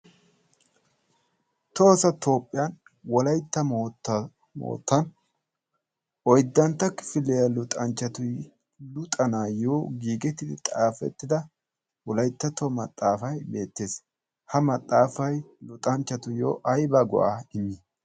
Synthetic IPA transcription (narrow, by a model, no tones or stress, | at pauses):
t̪o̞ːsɐt̪o̞ːpʼːɪjan | wɔlɐjt̪ːɐmːt | mo̰ːt̪ːɐn | ʔɔjd̪ːɐnt̪ːɐkɪ̥fɪlejɐlʊt̪ʼɐnt͡ʃːɐt̪ʊj | lʊt̪ʼɐnaːjoːɡiːɡɛt̪ːɪd̪ɪt̪ʼaːfɛ̰t̪ːɪd̪ɐ | wɔlɐjt̪ːɐt̪omɐ̰t̪ʼːaːfɐjbe̞ːt̪ːe̞ːs | hɐmɐt̪ʼːaːfɐjlʊt̪ʼɐnt͡ʃːɐt̪ʊjo̰ːʔɐjbɐɡɔ̰ʔaːɪmi